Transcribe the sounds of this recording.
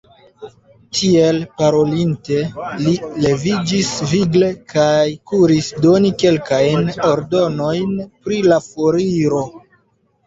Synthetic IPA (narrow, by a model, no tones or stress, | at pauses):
tʰie̞lpaɾo̞linte̞lile̞vid͡ʒisviɡle̞kʰajkuɾisdo̞nike̞lkajno̞ɾdo̞no̞jnpɾilafoɾiɾo̞